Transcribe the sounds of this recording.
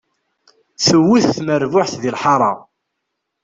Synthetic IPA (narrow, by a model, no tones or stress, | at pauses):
θəwːiθθməɾvʊħθðilħɑɾˤɑ